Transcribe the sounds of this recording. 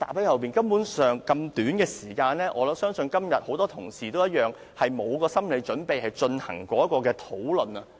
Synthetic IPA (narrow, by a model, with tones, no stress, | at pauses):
t̪a̰ː˨˩p̚hɐ˨˥hɐ˨wpiː˨nkɐ˥mpuː˨˥nsœː˨ŋkɐ˧mt̪yː˨˥nkɛː˧siː˨˩kaː˧nlɛː˥ʔɔː˨˧lɐ˨˥sœː˥ŋsɵ˧nkɐ˥mjɐ˨t̚ho˨˥wt̪ɔː˥t̪ʰʊ˨˩ŋsiː˨t̪o˥wjɐ˥t̚jœː˨ŋ | hɐ˨jmo˨˧wkɔː˧sɐ˥mle˨˧jt͡ʃɵ˨˥npe˨jhɐ˨jt͡ʃɵ˧nhɐ̰˨˩ŋkɔː˨˥jɐ˥t̚kːɔː˧k̬ɛː˧t̪ʰo˨˥wlɵ˨˩nɐ˧